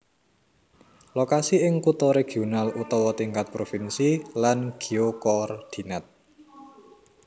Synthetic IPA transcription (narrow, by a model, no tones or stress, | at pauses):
lokasiɪŋkut̪oɾeɡ̥ionalut̪ɔwɔt̪iŋkat̪̚pɾofinsilanɡ̥iokɔrd̪̥i̤nat̪̚